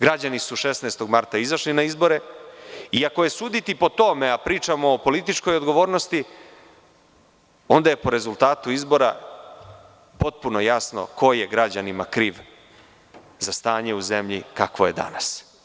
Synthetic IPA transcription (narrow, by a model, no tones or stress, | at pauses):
ɡɾad͡ʑanisuʃesneːst̪o̞ɡmaɾt̪aizaʃlinaizbo̞ɾe | iako̞je̞suːd̪it̪ipo̞t̪o̞meapɾiːt͡ʃamo̞ːpo̞lit̪it͡ʃko̞jod̪ɡo̞ʋo̞ːɾnost̪i | o̞nd̪aje̞po̞ɾe̞zult̪aːt̪uizbo̞ɾa̰ | po̞t̪̚puno̞jasno̞̰kʰo̞je̞ɡɾad͡ʑanimakɾiːʋ | zast̪aːɲeuzemʎḭkakʋo̞je̞d̪a̰nas